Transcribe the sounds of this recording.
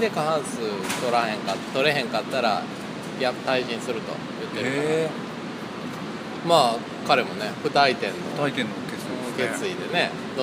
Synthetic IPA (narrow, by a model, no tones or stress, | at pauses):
d̪e̞kaãɰ̃sɨt̪oɾahẽ̞ŋkatt̪o̞ɾe̞ɦẽ̞ŋkat̪ːaɾa̰ | ɡʲat̪aiʑĩɰ̃sɨɾɯ̟t̪o̞̰jɯ̟t̪ːeɾɯ | maː | kaɾe̞mo̞ne̞ɸɯ̟t̪ait̪ẽ̞nːo̰ait̪ẽnːokeɨɯke̞st͡sɨid̪e̞ne̞ | d̪o